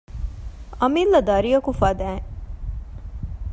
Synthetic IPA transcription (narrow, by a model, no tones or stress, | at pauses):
ɐmilːɐd̪ɐɾijɐkufɐd̪æːŋ